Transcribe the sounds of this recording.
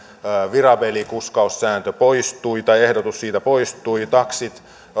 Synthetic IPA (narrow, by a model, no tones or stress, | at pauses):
ʋirɑbelikuskɑusːæːnt̪øpoist̪uit̪ɑiehdot̪ussiːt̪æpoist̪uit̪ɑksit̪